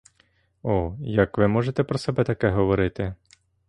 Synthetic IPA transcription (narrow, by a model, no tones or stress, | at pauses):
ɔjɐkʋɪmɔʒet̪ɛpɾɔsɛbɛt̪ɐkɛɦɔʋɔɾɪt̪ɪ